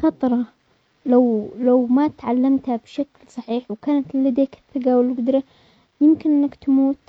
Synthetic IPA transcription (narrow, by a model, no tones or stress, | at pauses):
xɑt̪ˤɾˤɑ | lawlawmat̪ʕalːamt̪habʃaklsˤɑħiːħwkaːnat̪lad̪eːkɪ̥θːɪɡawɪlːɪɡʊd̪ɾa | jɪmkɪnʔɪnːakt̪amuːt̪